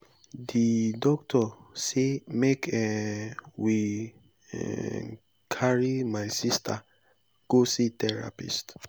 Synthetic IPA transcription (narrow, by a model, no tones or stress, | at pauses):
didɔktʰɔsemekɛ | wḭ | kʰaɹimajsistʰa | ɡ̥ositɛɹa̰pḭst